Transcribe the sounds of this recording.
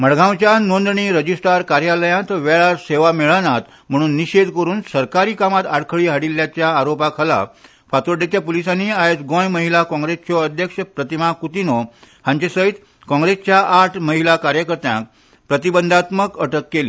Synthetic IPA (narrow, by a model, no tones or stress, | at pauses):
m̤əɽɡʱãwt͡ɕjanond̪ɳiːɾəd͡ʑisʈaɾkaɾjaləjãt̪ʋeɭaɾseʋameɭañat̪ | m̤əɽ̃uːnːiɕed̪kəɾuːnsəɾkaɾiːkamat̪aɽkʰəɭiːɦaɽilːjat͡ɕjaːɾopakʰəla̰ | fat̪oɾɖet̪japolisanːiajd͡zɡõjməɦilakɔ̃ŋɡɾest͡ɕɔəd̪ʱjəkʂəpɾət̪imakut̪inɔ | hãɲt͡ɕesəɦit̪ | kɔ̃ŋɡɾest͡ɕjaʔaʈʰməɦilakaɾjəkəɾt̪jã̰k̚ | pɾət̪ibənd̪ʱat̪məkəʈəkːeli